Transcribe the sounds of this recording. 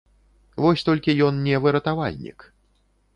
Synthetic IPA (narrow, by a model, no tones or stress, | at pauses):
vɔsʲt̪ɔlʲkʲijɔnnʲɛvɨɾɐt̪ava̰lʲnʲḭk